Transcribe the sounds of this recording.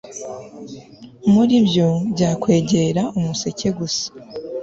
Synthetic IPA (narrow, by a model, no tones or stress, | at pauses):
muɾibjobɟaːkwe̞ːɟe̞ɾaʔumuse̞ce̞ɡusḁ